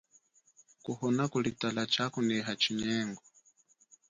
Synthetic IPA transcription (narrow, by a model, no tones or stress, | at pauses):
kuhɔnakulitalat͡ʃakunɛɦat͡ʃiɲɛːŋɡɔ